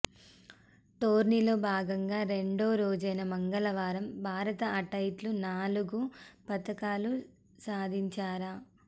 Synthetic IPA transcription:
ʈoːɾnilo̞ːbʱaːɡɐŋɡaːɾe̞ɳɖoːɾoːd͡ʒɐjnɐmɐŋɡɐlɐʋaːɾɐmbʱaːɾɐt̪ɐɐʈɐjʈlunaːluɡupɐt̪ɐkaːlu | saːd̪ʱiɲt͡ʃaːɾa

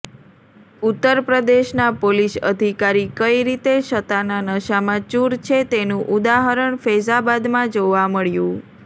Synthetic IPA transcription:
ut̪ːəɾpɾəd̪eʃnapolisə̰d̪ʱikaɾikəiɾit̪eʃət̪ananəʃamãt͡ʃuɾt͡ʃʰet̪enũʔud̪aɦəɾəɳfezabad̪mãd͡ʒoʋaməɭjũ

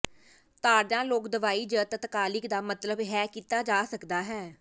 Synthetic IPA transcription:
t̪aːɖãːloːkd̪əʋaːiːd͡ʒət̪ət̪kaːlɪkd̪aːmət̪ləbɦɛːkiːt̪aːd͡ʒaːsəkd̪aːɦɛː

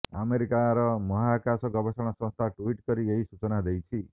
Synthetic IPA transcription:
a̰meɾikaɾɔmɔɦakasɔɡɔbɔsɔɽ̃ɔsɔ̃st̪ʰaʈuiʈkɔɾieɦisut͡ʃɔnad̪ejt͡ʃʰi

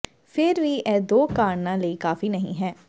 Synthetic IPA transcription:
fʰɪɾʋiːɛːd̪oːkaːɾnãːləiːkaːfinɐɦḭ̃ɦɛː

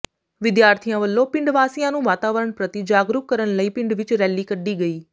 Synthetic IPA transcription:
ʋɪd̪jaːɾt̪ʰijãʋəlːopɪ̃ɳɖʋaːsijãːnũːʋaːt̪aːʋəɾəɳ̃pɾət̪id͡ʒaːɡɾukkəɾəɽ̃ləiːpɪ̃ɳɖʋɪt͡ʃɾɛːlːiːkəɖːiːɡɐiː

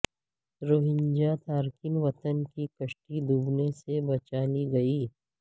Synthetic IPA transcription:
ɾoːɦɪ̃ɲd͡ʒat̪ʰaːɾkɪnʋɐt̪ənkikɐʃʈid̪uːbnesebɐt͡ʃaːliɡɐiː

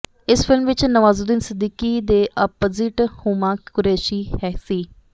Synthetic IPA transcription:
ɪsfʰɪlmʋɪt͡ʃnəʋaːzud̪insɪd̪iːkiːd̪eːʔapoːzɪʈhuːmãːkʊɾeːʃiːhɛːsiː

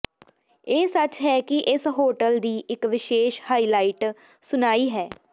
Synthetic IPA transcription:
eːsət͡ʃɦɛːkɪʔɪsɦoːʈəld̪iːʔɪkʋɪʃeːʃhaːiːlaːiːʈ | sʊnaːiːɦɛː

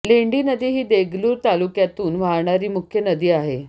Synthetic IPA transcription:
leɳɖiːnəd̪iːɦiːd̪eɡluːɾt̪alukjat̪uːnʋ̤aɭɳaɾiːmukʰjənəd̪iːaɦe

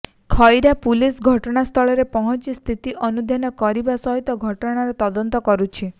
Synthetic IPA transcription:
kʰɔjɾapulisɡʱɔʈɔɽ̃ast̪ʰɔɭɔɾepɔɦɔt͡ʃist̪ʰit̪iʔɔnud̪ʱjanɔkɔɾibasɔɦit̪ɔɡʱɔʈɔɽ̃aɾɔt̪ɔd̪ɔnt̪ɔkɔɾut͡ʃʰi

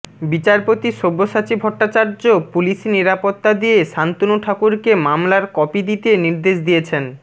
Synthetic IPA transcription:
bit͡ɕaɾpot̪iʃobːoʃat͡ɕibʱɔʈːat͡ɕaɾd͡ʑopuliʃeniɾapot̪ːad̪ijeʃant̪onuʈʰakuɾkemamlaɾkɔpid̪it̪eniɾd̪eʃd̪ijet͡ɕʰen

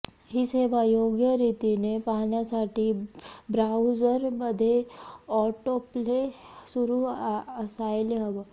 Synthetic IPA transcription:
ɦisebajoːɡjəɾit̪inepaːnjasaːʈibɾaʊzəɾbɐd̪ʱeɔːʈople | suɾusaːjlɦɐʋ

